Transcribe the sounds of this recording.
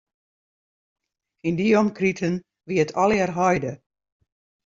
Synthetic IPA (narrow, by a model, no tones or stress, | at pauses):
indiomkritʰən | ʋiətʰɔlɛrɦɔjdə